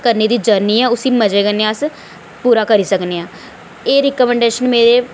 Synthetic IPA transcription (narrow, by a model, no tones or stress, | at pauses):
kəɾneːd̪iːd͡ʒəɾniːɛːʊsĩːməd͡ʒeːkəneːaəs | puːɾaːkəɾiːsəkneːãː | eːɾɪkːmɛ̃ːɳɖeːʃənmeːɾeː